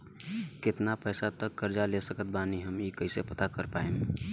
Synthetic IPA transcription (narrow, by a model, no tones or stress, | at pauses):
kɪt̪napəːsat̪əkːəɾd͡ʒalesəkət̪̚baːniɦəmikəɪsepət̪akəɾpaːe